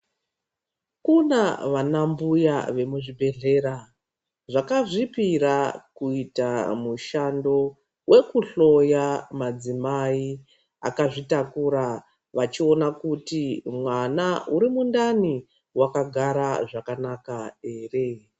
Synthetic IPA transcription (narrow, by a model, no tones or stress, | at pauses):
kunaʋanambujaʋe̞muʐibʱe̞ɮe̞ɾa | ʐakaʐipirakuitamuʃando̞ | wʔe̞kuɬo̞jamad͡zimai | a̰kaʐitakuɾa | ʋat͡ʃio̞nakutimwanauɾimundani | wakaɡʱaɾaʐakanakae̞ːre̞